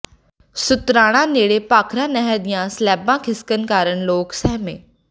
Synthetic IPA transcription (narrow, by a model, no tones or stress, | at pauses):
sʊt̪ɾaːɽ̃ãːneːɽeːpaːkʰɾãːnɛɦɛd̪ɪjãːslɛːbãːkʰɪskənkaːɾəɳloːksɛɦmḛ̃ː